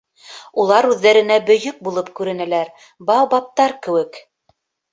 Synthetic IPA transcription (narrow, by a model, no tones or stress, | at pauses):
ulˠɑɾʉðːæɾɘ̆næbɵ̆jɵk̚bulˠɤpkʉɾɘ̆nælæɾ | bɑwbɑp̚t̪ɑɾkɘ̆wɘk